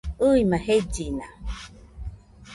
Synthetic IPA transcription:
ɯimãhed͡ʒina

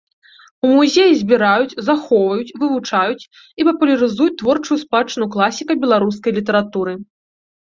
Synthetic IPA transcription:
umuzʲejizʲbʲiɾajut͡sʲzaxɔwvɐjut͡sʲvɨvut͡ʂajut͡sʲ | ipɐpulʲɐɾɨzujut͡sʲt̪vɔrt͡ʂujuspat͡ʂɨnuklˠasʲikɐbʲɛlˠaɾus̬kɐjlʲit̪ɐɾat̪uɾɨ

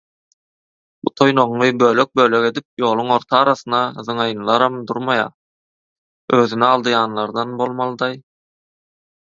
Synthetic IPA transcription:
b̥ut̪ʰo̞jno̞ʁlˠɯbø̞ːlø̞k̚bø̞ːlø̞ɡe̞d̪ip̚jo̞ːlˠuŋo̞ɾt̪ʰɑɑːɾɑθɯnɑðɯŋɑjɯnlˠɑɾɑmd̪uɾmɑjɑ̰ː | ø̞ːðynɛɑlˠd̪ɯjɑːnlˠɑɾd̪ɑnbo̞lˠmɑlˠɯd̪ɑj

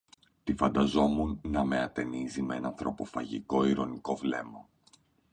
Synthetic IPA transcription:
t̪ifɐnd̪ɐzo̞munːɐme̞ɐt̪e̞nizimeenɐnθɾo̞po̞fɐ̰ʝiko̞iɾo̞niko̞vle̞mɐ

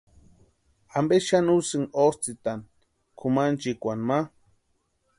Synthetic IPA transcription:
ambeʃanusɨŋost͡sit̪an | kʰumant͡ʃikʷanma

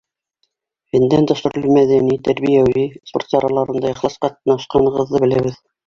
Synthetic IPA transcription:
hɘ̆nd̪ænd̪ɒʃɵ̆ɾlɘmæðænit̪æɾβijæwisport̪sɑɾʔɑlˠɑɾɤ̆nd̪ɑjɑχlˠɑsqɑt̪̚nɑʃqɑɴɤ̆ʁɤ̆ðːɤbɘ̆læβɘð

